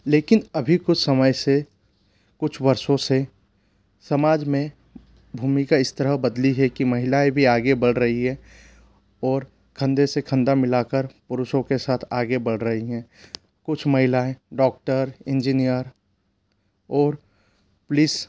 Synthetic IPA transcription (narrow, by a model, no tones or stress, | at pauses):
leːkɪnɐbʱikʊt͡ʃʰsəməjse | kʊt͡ʃʰbɐɾsõse | səmaːd͡ʒmẽ | bʱuːmikaɪst̪əɾəɦbəd̪liɦɛkimɐɦɪlaẽbʱiaːɡebɐlɾəɦiɦɛ̃ | ɔːɾ | kʰə̃nd̪esekʰə̃nd̪amɪlaːkəɾpʊɾʊʃõkesaːt̪ʰaːɡebɐlɾəɦiɦɛ̃ː | kʊt͡ʃʰməɦɪlaẽɖɔːk̚ʈəɾɪ̃nd͡ʒinijəɾ | ɔːɾ | pʊliːs